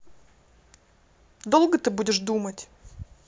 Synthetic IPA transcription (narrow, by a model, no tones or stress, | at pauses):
d̪o̞lˠɡət̪ɨbudʲɪʂd̪umətʲ